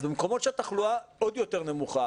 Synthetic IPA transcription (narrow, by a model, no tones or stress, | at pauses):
bemko̞mo̞t̪ʃeat̪aχluaod̪jo̞t̪eʁnemuχa